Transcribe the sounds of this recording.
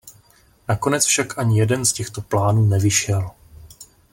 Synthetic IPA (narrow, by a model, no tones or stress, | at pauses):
nako̞nɛt͡sfʃakʔaɲɪjɛdɛnscɛxt̪o̞plaːnuːnɛvɪʃɛl